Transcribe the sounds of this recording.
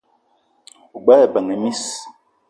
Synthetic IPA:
u˨ɡ͡ba˦ɛ˨ba˨ŋe˨mi˦s

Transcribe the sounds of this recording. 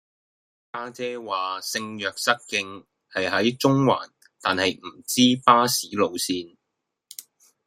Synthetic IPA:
kaː˥t͡sɛː˥waː˨sɪ˧ŋjœː˨k̚sɐ˥t̚kɪ˧ŋ | hɐ˨jɦɐ˨˥jt͡ʃʊ˥ŋwa̰ː˨˩n | t̪aː˨nhɐ˨jm̩˨˩t͡siː˥paː˥siː˨˥lo˨˧wsiː˧n

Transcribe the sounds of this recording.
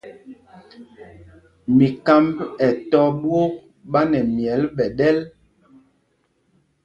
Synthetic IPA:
mi˨ka˦mbɛ˨tɔ˦ɓwo˦ | ɓa˦nɛ˨mjɛ˨˦lɓɛ˨ɗɛ˦l

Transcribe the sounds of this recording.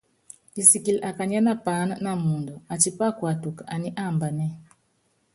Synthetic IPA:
i˨si˨ki˨la˨ka˨ɲa˦na˦pa˨˦na˦na˦mu˨ndɔ˨a˨t͡ʃi˦pa˦kwa˨tu˨ka˨a˨ni˦ʔa˦˨mba˨nɛ˦

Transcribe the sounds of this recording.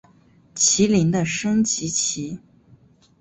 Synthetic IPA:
t͡ɕʰi˧˥li˧˥ŋd̪ə˧ʂɤ˥ŋt͡ɕi˧˥t͡ɕʰi˧˥

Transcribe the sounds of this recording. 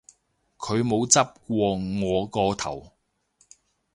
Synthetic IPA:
kʰɵ˨˧ɥmo˨˧wt͡sɐ˥p̚kʷɔː˧ŋɔː˨˧kɔː˧t̪ʰɐ̰˨˩w

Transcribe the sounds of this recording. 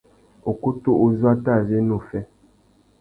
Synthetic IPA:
o˨ku˦tu˦ʔu˦zwa˦ta˦˨ze˦nu˦˨fɛ˦

